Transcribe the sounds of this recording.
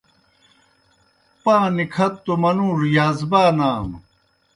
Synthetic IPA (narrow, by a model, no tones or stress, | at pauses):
pãːnikʰɐt̪ːomɐnuːɾjaːzbaːnaːm